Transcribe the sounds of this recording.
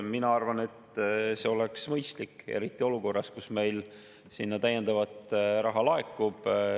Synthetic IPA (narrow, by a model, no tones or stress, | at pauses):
minɑɑrvɑne̞t̪ːse̞o̞leksmɤjst̪likːe̞̰ɾit̪ːˑio̞luko̞rːɑskusme̞jl | sinːɑt̪æje̞nd̪̥ɑvɑt̪ɾɑɦɑlɑekːˑub̥